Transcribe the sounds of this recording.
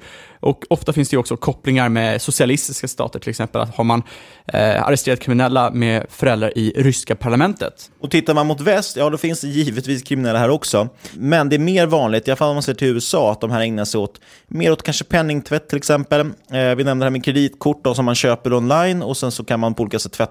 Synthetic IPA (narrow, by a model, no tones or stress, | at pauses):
ʔɔkɔft̪afɪnsd̪ɛjʉɔksɔkʰɔplɪŋaɾmesʊsɪalɪst̪ɪskast̪ɑ̰ːt̪əʈʰɪlɛksɛmpəla̰t̪haɾman | a̰ɾɛst̪eːɾat̪kʰɾɪmɪnɛlːamɛfœɾɛlɾaɾʔɪɾʏskapʰaɭamɛnt̪ə̰t̪ɔt̪ʰɪt̪ːaɾmanmʊt̪vɛst̪jɑːd̪ɔfɪnsd̪ɛjiːvət̪viːskʰɾɪmɪnɛlːaɦæːɾɔksɔmɛnd̪ɛːɾmeːɾvɑːnlɪɡt̪ɪalafalːɔmanseːʈʰɪlʉ̟ːɛsɑːat̪̚d̪ɔmɦæːɾɛŋnasɛɪjoːt̪ | meːɾoːt̪kʰanʂəpʰɛnːɪŋt̪ʰvɛt̪ʰːɪlɛksɛmpəlvɪnɛmnəhæmɪkʰɾɛd̪iːt̪kʰʊʈːɔsɔmːanɕøːpəɾɔnlajnɔsɛnsɔkʰanmanpʰɔuliːkasɛt̪ːfɛt̪ː